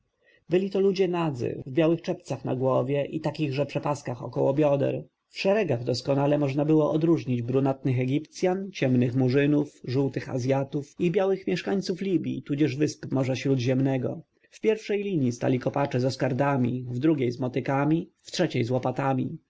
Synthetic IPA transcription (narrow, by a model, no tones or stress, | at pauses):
bɘlʲit̪ɔlud͡ʑɛnad̪zɘ̰vbjawɘxt͡ʂɛpt̪saxna̰ɡwɔvʲjɛʔit̪akʲiɣʐɛpʂɛpaskaxɔ̰kɔwɔbʲjɔd̪ɛ̰ɾ | fʂɛɾɛɡaɣd̪ɔskɔnalɛmɔʐnabɘwɔʔɔd̪ɾuʐɲid͡ʑbɾunat̪nɘxɛɡʲipt̪sʲjant͡ɕɛmnɘxmuʐɘnufʐuwt̪ɘxa̰zʲjat̪ufibʲjawɘxmʲjɛʂkaɲʲt̪suflʲibʲjḭt̪ud͡ʑɛʐvɘspmɔʐaɕɾud̪ʑɛmnɛɡɔ̰ | fpʲjɛɾfʂɛjlʲiɲist̪a̰lʲikɔpat͡ʂɛzɔskaɾd̪amʲḭvd̪ɾuɡʲejzmɔt̪ɘkamʲiftʂɛt͡ɕejzwɔpat̪amʲḭ